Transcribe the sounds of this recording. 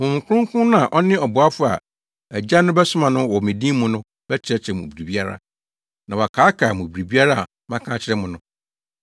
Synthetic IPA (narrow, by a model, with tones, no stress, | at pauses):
hʊ̃˨m˨kʰʊ˦ʊ̃˦ŋ˦kʰʊ̃˦nʊ̃˦a˨ʔɔ˦nɪ̃˦ɔ˨bʊ˨a˦fʊ˦a̰˨ | æ˨d͡ʑa˦nʊ̃˦bɛ˦sʊ˦mã˨nʊ̃˦wɔ˨mɪ̃˨dĩː˦mʊ̃˦nʊ̃˦ | bɛ˦t͡ɕʰɪ˦ɾɛ˦t͡ɕʰɛ˨mʊ̰̃˨bɾi˨bi˦a˦ɾa̰˦ | nã˨wɔ˨kʰaː˨˦kʰa˨mʊ̃˨bɾi˨bi˦a˦ɾa˦a˨ | mã˦kʰã˦t͡ɕʰɪ˦ɾɛ˦mʊ̃˨nʊ̃˦